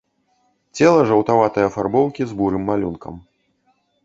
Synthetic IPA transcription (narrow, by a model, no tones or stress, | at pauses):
t͡sʲɛlˠɐʐɐwt̪avat̪ɐjɐfarbɔwkʲizbuɾɨmːalʲunkɐ̰m